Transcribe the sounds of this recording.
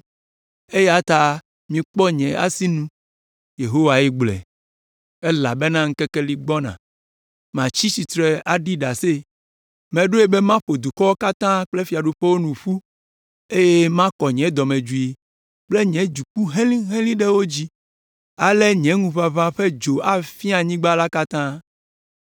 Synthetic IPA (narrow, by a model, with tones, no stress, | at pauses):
e˦ja˦t̪a˦ | mĩ˨k͡pɔ˦ɲɛ̃˨a̰˦si˦nũ˦ | je˨ɦo˦wa˨ji˦ɡ͡blɛ̰˨ | e˦la˨be˦nã˦ŋ̩̃˦kɛ˦kɛ˦li˨ɡ͡bɔ˦nã̰˨ | mã˨t͡ɕi˦si˨t̪ɾe˨a˨ɖi˦ɖa˨se˦ | mɛ̃˨ɖo˦e˦be˦mã˦ɸo˨d̪u˨kɔ˦wo˦ka˦t̪ã˦k͡ple˦fi˨a˨ɖu˦ɸe˦wo˦nũ˨ɸu˦ | e˦je˦mã˦kɔ˨ɲɛ̃˨˦d̪ɔ˨mẽ˨d͡ʒu˨i˨ | k͡ple˦ɲɛ̃˨˦d͡ʒu˨k͡pu˦ɦẽ˦lĩ˦ɦẽ˦lĩ˦ɖɛ˦wo˦d͡ʑi˦ | a˨le˦ɲɛ̃˨˦ŋũ˦βa˦vã˦ɸe˦d͡ʒo˨a˨fi˦a˨ɲĩ˦ɡ͡ba˦la˦ka˦t̪ã˦